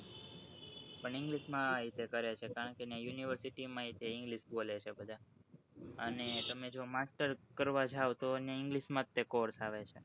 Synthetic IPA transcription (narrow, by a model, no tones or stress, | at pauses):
pəɳɪ̃ŋɡliʃmãit̪ekəɾet͡ʃʰekaɾəɳkenjãjuniʋəɾsiʈimãit̪eɪ̃ŋɡliʃbolet͡ʃʰebəd̪ʱa | ənet̪əmed͡ʒomasʈəɾkəɾʋad͡ʒaʋt̪oneɪŋɡliʃmãt̪ːekoɾsaʋet͡ʃʰe